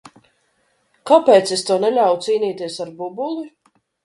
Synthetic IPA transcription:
kapɛːt̪sest̪ɔɔnɛlʲawut̪siːniːt̪iɛsaɾbubulˠi

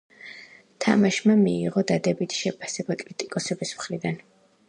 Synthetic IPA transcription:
t̪ʰa̰maʃmamiːʁɔd̪ad̪ɛbit̪ʰi̥ʃɛpʰasɛbakʼɾit̪ʼikʼɔsɛbismχɾid̪an

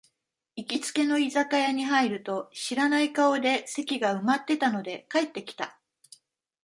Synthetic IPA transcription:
ikʲit͡sɨ̥ke̞no̞izakajaɲ̟iɦaiɾɯ̟t̪o̞ɕiɾanaikao̞d̪e̞se̞kʲiɡaɯ̟mat̪ːe̞t̪ano̞d̪e̞kae̞t̪ːe̞kʲi̥t̪a

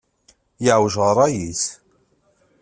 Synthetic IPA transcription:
jəʕwʒʁɾˤɑjis

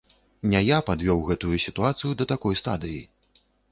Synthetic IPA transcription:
nʲajapad̪vʲɔwɣɛt̪ujusʲit̪uat̪sɨjud̪ɐt̪akɔjst̪ad̪ɨjḭ

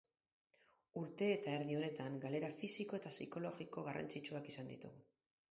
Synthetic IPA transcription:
uɾt̪e̞ːt̪ae̞ɾðio̞ne̞t̪aŋɡale̞ɾafisiko̞e̞t̪asiko̞lo̞ɣiko̞ɣara̰nt͡sit͡ʃuakisand̪it̪uɣu

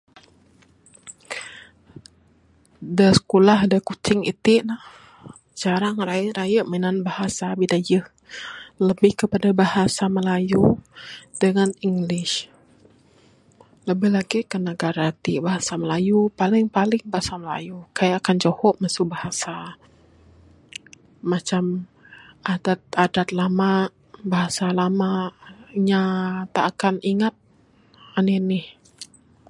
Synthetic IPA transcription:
dəsə̥kulaɦdakut͡ʃɪŋḭt̪ɪʔnah | d͡ʒaɾaŋrajʔɾajəʔməinanbahasabidad͡ʒəh | ləbɪhkəpadabahasaməlaju | d̥əŋaniŋɡlɪʃ | ləbɪhlaɡikənaɡaɾat̪ibaɦasaməlajupalɪŋpalɪŋbahasaməla̰jukajaːkand͡ʒohɔʔmasubahasa | at͡ʃam | adat̪̚adat̪̚lama | baɦasalama | ɲat̪aʔːkaniŋat̪̚ | aninɪh

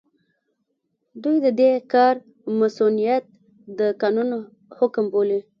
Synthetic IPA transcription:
d̪ujd̪əd̪ekɑɾ | masunijat̪̚ | d̪əkɑnuno | hʊkmboli

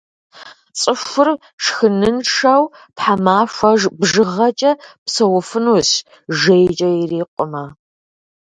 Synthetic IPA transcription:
t͡sʼɨʃʷʊr | ʂxɨnɨnʂaw | pħamaːʂʷɐʒbʒɨʁɐt͡ʃʼɐpsɐwʊfɨnuːɕ | ʒejt͡ʃʼɐjɪriːqʷʼʊma

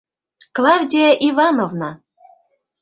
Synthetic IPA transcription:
klˠɑwdʲijɑʔivɑnovnɑ

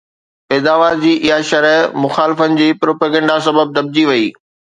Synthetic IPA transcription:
pɛːd̪aːʋaːɾd͡ʑiːʔɪɦaʃɐɾəɦmʊxaːlɪfənɪ̆d͡ʑiːpɾoːpəːɡə̃ːɳɖasɐbəb̚d̪ɐb̚d͡ʑiʋɐiː

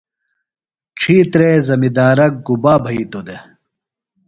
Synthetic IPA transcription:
ʈ͡ʂʰiːt̪ɾeːzɐmid̪aːɾɐk̚ɡubaːbʱɐiːt̪od̪e

